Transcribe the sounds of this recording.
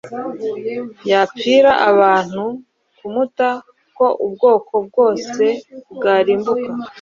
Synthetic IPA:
jap͡fiːɾaʔaβaːn̥hu | kumuta | ko̞ʔubɡo̞ːkʰo̞b̚ɡo̞ːse̞bɡaːɾiːmbuka

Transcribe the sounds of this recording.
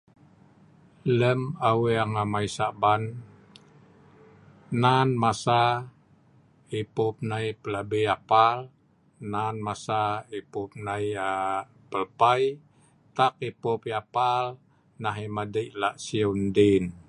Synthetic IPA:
ləmaweaŋamajsaʔban | nanmasa | ipup̚najpəlabijapal | nanmasaipup̚naja | pəlpaj | t̪akipopjapal | naɦimadəʔlaʔsiundin

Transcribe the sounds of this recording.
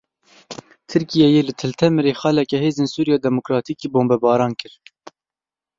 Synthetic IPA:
t̪ʰɨɾkijɛjeːlɨt̪ʰɨlt̪ʰɛmɨɾeːxɑːlɛkɛheːzeːnsuːɾijɑːd̪ɛmokɾɑːt̪ʰiːkiːboːmbɛbɑːɾɑːnkɨɾ

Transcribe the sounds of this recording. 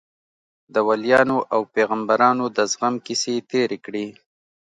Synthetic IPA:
d̪əwaljɑnoʔawpeɣambaɾɑnod̪əzɣamkiset̪eɾekɽi

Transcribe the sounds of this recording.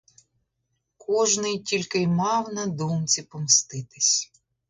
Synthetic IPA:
kʰɔʒnɪjtʲilʲkɪjmɑwnɐd̪ɔmt͡sʲipɔmst̪ɪt̪ɪsʲ

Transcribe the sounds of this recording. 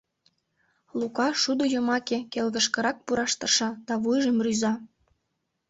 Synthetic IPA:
lukɑʃud̪ojomɑkekelɣəʃkə̆ɾɑk̚puɾɑʃt̪ə̆rʃɑd̪̥ɑβujʒəmryzɑ

